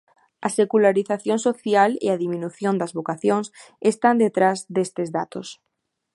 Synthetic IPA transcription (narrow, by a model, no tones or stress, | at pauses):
ɐsekulaɾiθaθjonsoθjalḛaðimĩnuθjond̪ɐzβokaθjoŋs | est̪and̪et̪ɾazd̪est̪ezðat̪os